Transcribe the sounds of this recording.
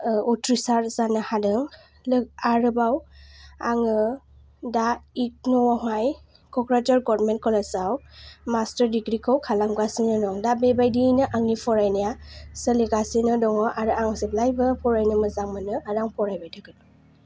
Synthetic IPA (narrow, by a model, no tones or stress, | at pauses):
ɔtɾisaɾzanɯhadɯŋ | lɯaɾɯbawaŋɯ | daik̚nɔwɔɦaj | kʰɔkɾatɔɾɡɔɾmentkʰɔlasawmastəɾdiɡɾikʰɔwkʰalaŋɡasinɯdɔŋdabebajdinɯʔaŋipʰɔɾajnajasəliɡasinɯdɔŋɔʔaɾɯaŋsɯb̚lajbɯpʰɔɾajnɯmɯzaŋmanɯaɾaŋpʰɔɾajbajtʰaɡɯnɔ